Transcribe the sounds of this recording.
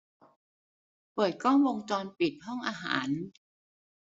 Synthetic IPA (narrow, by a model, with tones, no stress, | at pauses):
pɤː˨˩t̪̚kʰɔː˥˩ŋwo˧ŋt͡ɕɔː˧npi˨˩t̪̚hɔ˥˩ŋʔaː˧ɦa̰ː˩˦n